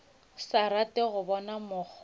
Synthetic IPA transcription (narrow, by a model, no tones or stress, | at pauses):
saɾatʼɪɣʊbɔnamʊk͡xʰ